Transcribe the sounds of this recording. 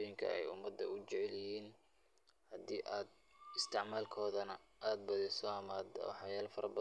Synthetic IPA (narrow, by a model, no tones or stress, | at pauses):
jɪŋkʰɐ̰ɛ̰jʊ̰mɐd̪ːɐ̰ʊt͡ʃɪʕɛljɪhiːn | hɐd̪iːʔaːd̪̚ | ɪst̪ʰɪʕmaːlkʰɔːðɐnɐʔaːd̪̚bɐðɛsɔɐmaːd̪wħɑjaːlfɐɾɐbɐ